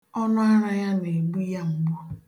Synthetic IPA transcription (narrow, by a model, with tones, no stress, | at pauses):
ɔ˦nʊ˦a˦ɾa˦ja˦ne˨ɡ͡bu˦ja˦ŋ͡m̩˨ɡ͡bɔ˦